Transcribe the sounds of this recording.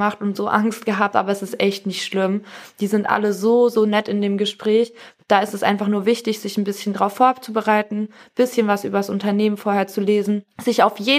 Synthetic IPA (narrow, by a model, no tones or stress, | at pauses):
maχtʊntz̥oːʔaŋst̚ɡ̥əɦaːp̚tʔa̰ːbɐɛsɪstʔɛçtnɪçtʃlɪmd̥iːzɪntʔa̰ləzoːzoːnɛtɪndeːmɡəʃpʁ̥ɛːçd̥aːɪstɛsʔa̰ɪnfaχnuːɐvɪçtɪçz̥ɪçn̩bɪsçəndʁaʊfːoːɐt͡subəʁaɪtn̩b̥ɪsçənvasʔy̰ːbɐdasʊntɐneːmənfoːɐheːɐt͡suleːzn̩z̥ɪçaʊfjeː